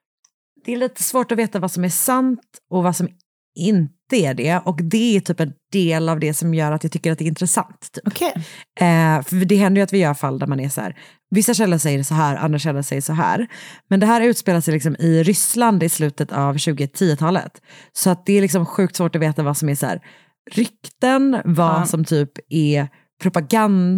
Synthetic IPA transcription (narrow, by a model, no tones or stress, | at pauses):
d̪̥ɛːliːt̪ə̥svoːʈɔveːt̪avasɔmæsant̪ɔvasɔm | ɪnt̪əæɖɛʔɔkd̪ɛæʈʰyːpɛnd̪̥eːlavd̪ɛsɔmjœːɾat̪jɑɡt̪ʏkːəɾat̪̚ɛɾɪnt̪ɾəsa̰nt̪ʰːy̥ː | fœɖɛɦɛnd̪əɾjʏat̪vɪjœːɾfalːd̪æɾmanæsæ̰ːɾ | vɪsːaɕɛlːasɛjːəɖɛsɔɦæːɾʔa̰nd̪ɾaʂɛlːasɛjːəʂɔɦæ̰ːɾmɛnd̪ɛɦæːɾʉ̟t̪speːlasjəlɪksɔmɪɾʏsland̪ɪslʉ̟ːt̪ət̪ʰavɕʉ̟ːɡət̪ʰiːət̪ʰɑːlə̰t̪sɔat̪̚d̪ɛːɾlɪksɔmɧʉ̟ːk̚t̪svoːʈɔveːt̪avasɔmæsæ̰ːɾ | ɾʏkt̪ənvasɔmt̪ʰyːpɛ | pʰɾʊpaɡan